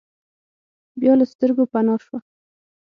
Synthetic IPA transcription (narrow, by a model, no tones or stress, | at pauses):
bjɑlast̪əɾɡopanɑʃwa